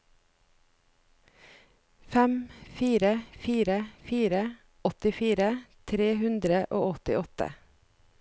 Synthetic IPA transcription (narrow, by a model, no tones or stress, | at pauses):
fæmfiːɾəfiːɾəfiːɾə | ɔt̪ɪfiːɾət̪ʰɾeːhʉnd̪ɾəʔo̰ːɔt̪ɪ̰ɔt̪ə̰